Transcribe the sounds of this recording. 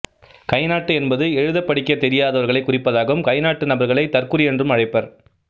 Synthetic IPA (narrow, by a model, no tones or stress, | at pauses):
kɐɪnaːʈːɯɛnbɐðɯɛɻɯðɐpːɐɽɪkːɐɪt̪ːɛɾɪjaːðɐʋɐɾɣɐɭɐɪkːʊrɪpːɐðaːɣɐʋɯmkɐɪnaːʈːɯnɐbɐɾɣɐɭɐɪt̪ɐrkɯrɪjɛndrɯmɐɻɐɪpːɐɾ